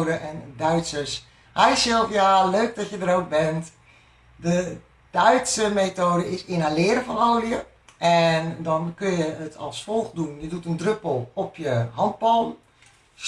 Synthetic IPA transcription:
dəʔɛndœɥtsəs | hɛjsɪlˠfjaløːk̚dɔtjədərok̚bɛnt | də | d̥œɥtsəmeːtoːdəɪsɪnalɪəɾəfɔnoːliə | ʔɛndɔnkønjəətʰɔ̰lˠsfɔlˠxdunjədutəndrøpəlˠɔpʰjəɦɔnt̚bɔlˠ

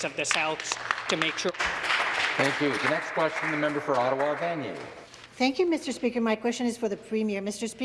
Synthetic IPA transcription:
zʌvðɨsaʊθstʰɨmeɪkʃʊ | θæ̃ŋkjʉðɨnɛkskʰw̥ɛst͡ʃɨ̃n̩ðɨmɛ̃mbə˞fə˞ɑɾəwɑvæ̃njḛ | θæ̃ŋkjʉmɪstə˞spikə˞maɪkʰw̥ɛst͡ʃɨ̃nɨz̥fə˞ðɨpʰɹ̥ĩmɪɹmɪstə˞spi

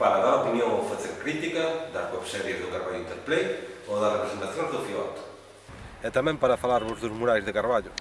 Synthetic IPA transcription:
paɾaðaɾaopinjõŋofaθeɾkɾit̪ikɐðɐskopsɛɾjezðʊkaɾβaʎʊint̪eɾplejoðɐrepɾesent̪aθjõŋzðʊfiɔt̪ʊ̥ | ɛt̪amɛ̃mpaɾɐfalaɾβʊzðʊzmuɾajzðɪkaɾβaʎʊ

